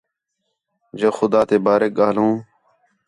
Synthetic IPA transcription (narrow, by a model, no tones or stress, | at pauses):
d͡ʒəxʊd̪aːt̪eːbaːɾeːk̚ɠaːlɦũː